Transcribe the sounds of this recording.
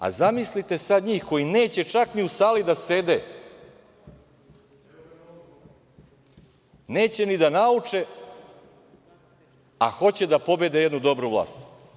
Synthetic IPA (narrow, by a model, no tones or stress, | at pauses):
a̰zamislit̪e̞sad̪ɲiːxko̞jine̞ːt͡ɕe̞t͡ʂakniusaːlid̪ase̞d̪e | neːt͡ɕe̞nid̪anaut͡ʂe̞ | a̰xo̞t͡ɕe̞d̪apo̞be̞d̪ejed̪nud̪o̞bɾuʋlˠa̰ːst̪